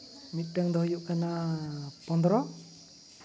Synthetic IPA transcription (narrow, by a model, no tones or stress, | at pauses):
mit̪̚ˀʈaŋd̪ɔɦjuʔkanapɔnd̪ɔɾɔ